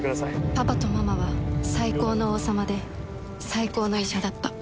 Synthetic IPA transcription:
habat̪o̞mamaβasaiko̞ːno̞oːsamad̪e̞ | saiko̞ːno̞iɕad̪at̪ːa

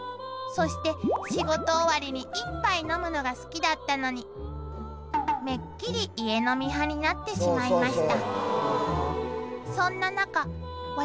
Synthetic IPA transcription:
so̞ɕi̥t̪e̞ɕiɡo̞t̪o̞ːβaɾʲiɲ̟iʔipːaino̞mɯ̟no̞ɡasɨ̥kʲid̪at̪ːano̞ɲ̟i | me̞kʲːiɾʲiʔːe̞no̞mʲiɦaɲ̟inat̪ːe̞ɕimaimaɕi̥t̪a | sõ̞nːanaka | a

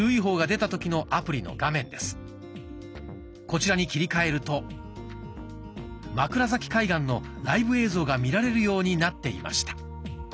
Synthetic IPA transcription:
ɯːiɦo̞ːɡad̪e̞t̪at̪o̞kʲino̞ʔapɯ̟ɾʲino̞̰ɡamẽ̞nd̪e̞sɨ̥ | ko̞t͡ɕiɾaɲ̟ikʲiɾʲikae̞ɾɯ̟t̪o̞ | makɯ̟ɾazakʲi̥kaiɡãnːo̞ɾaibɯ̟e̞ːzo̞ːɡamʲiɾaɾe̞ɾɯ̟jo̞ːɲ̟inat̪ːe̞ḭma̰ɕi̥t̪ḁ

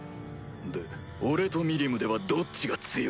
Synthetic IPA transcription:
d̪e | oɾe̞t̪o̞mʲiɾʲimɯ̟d̪e̞βad̪o̞tt͡ɕiɡat͡sɨjo

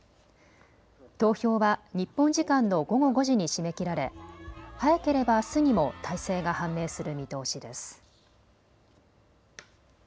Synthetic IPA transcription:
t̪o̞ːço̞ːβaɲ̟ipːõ̞ɲ̟d͡ʑikãnːo̞ɡo̞ɡo̞ɡo̞ʑiɲ̟iɕime̞kʲiɾaɾe̞hajake̞ɾe̞basɨɲ̟imo̞t̪ʰaise̞ːɡahãmːe̞ːsɨɾɯ̟mʲit̪o̞ːɕid̪e̞sɨ̥

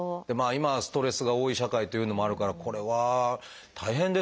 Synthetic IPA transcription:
d̥̪e̞maːimasɨ̥t̪o̞ɾe̞sɨɡao̞ːiɕakait̪o̞jɯ̟ːno̞mo̞aɾɯ̟kaɾakʰo̞ɾe̞βa | t̪ʰaiɦẽ̞nd̪e

